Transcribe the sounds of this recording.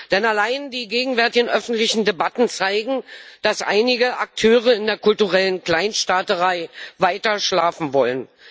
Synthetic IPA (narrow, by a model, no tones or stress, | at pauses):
d̥ɛnalaɪndiːɡeːɡŋ̩vɛɐtɪɡn̩ʔœfn̩tlɪçn̩debatn̩t͡saɪɡŋ̩d̥asʔa̰ɪnɪɡəʔak̚tʰøːʁ̞əɪndeːɐkʊltuʁɛlənkl̥aɪnʃtaːtəʁaɪvaɪtɐʃlaːfn̩vɔlən